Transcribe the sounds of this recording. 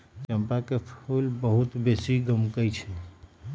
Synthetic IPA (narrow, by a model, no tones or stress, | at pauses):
t͡ʃəmpakepʰulbəɦut̪besiɡəmkəjt͡ʃʰɛ